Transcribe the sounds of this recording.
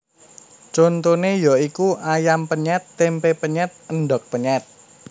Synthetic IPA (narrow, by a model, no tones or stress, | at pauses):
t͡ʃont̪onejɔikuajampəɲɛt̪ːempepəɲɛt̪̚ənɖɔk̚pəɲɛt̪̚